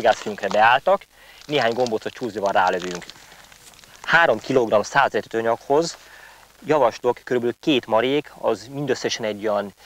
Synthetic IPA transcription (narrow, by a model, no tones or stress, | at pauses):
oɡaːsfyjyŋkrɛbɛaːlt̪ɒk | neːɦaːɲɡo̞mbot̪sot̪t͡ʃuːznivɒra̰ːløvyŋk | haːɾo̞mkiloɡrɒmsaːzɛt̪ɛt̪oɲɒkho̞z | jɒvɒʃlokkːøɾybɛlykeːt̪mɒɾeːkʰɒ̰zmind̪øsːɛʃɛnɛɟːojɒn